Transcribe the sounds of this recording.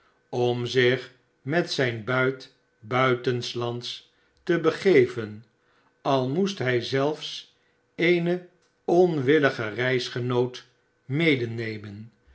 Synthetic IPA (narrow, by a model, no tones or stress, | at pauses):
ɔmzɪχ | mɛtsɛjnbœɥt | bœɥtənslɑnts | təbəχejvən | ɑlˠmustɦɛjzɛlˠfs | ejnə | ɔnʋɪləχərɛjsχənowt | mejdənejmən